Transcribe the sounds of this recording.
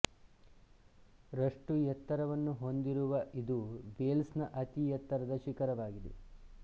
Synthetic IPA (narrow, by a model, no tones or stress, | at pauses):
ɾɐʂʈujɐt̪ːɐɾɐʋɐnːuɦo̞nd̪iɾuʋɐʔid̪uʋeːlsnɐʔɐt̪ijɐt̪ːɐɾɐd̪ɐʃikɐɾɐʋaːɡid̪ḛ